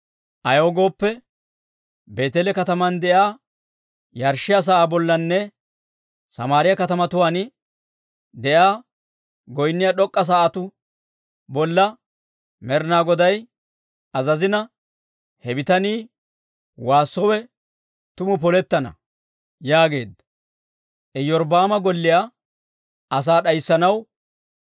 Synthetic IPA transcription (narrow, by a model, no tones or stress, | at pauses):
ʔɐjoːɡo̞ːpːɛ | be̞ːt̪ɛlɛkɐt̪ɐmɐnd̪ɛʔaː | jɐɾʃɪjɐs̬aːʔaːbɔlːɐnːɛ | sɐmaːɾɪjɐkɐt̪ɐmɐt̪ʊwaːnɪ | d̪ɛʔaː | ɡɔjnːɪjɐɗɔkʼːɐs̬aːʔat̪ʊ | bɔlːɐ | mɛɾnaːɡɔd̪ɐj | ɐzɐzɪnɐ | hɛbɪt̪ɐniː | waːsːɔwɛ | t̪ʊmʊp̬ɔlɛt̪ːɐnɐ̰ | jaːɡe̞̰ːd̪ːɐ | ʔɛjɔɾbaːmɐɡɔlːɪjaː | ɐs̬aːɗɐjsːɐnɐw